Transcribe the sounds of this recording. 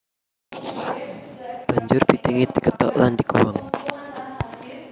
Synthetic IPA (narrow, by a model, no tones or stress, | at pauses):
b̥aɲd͡ʒʊrb̥it̪iŋid̪̥ikət̪ɔ̰ʔlandikuwaŋ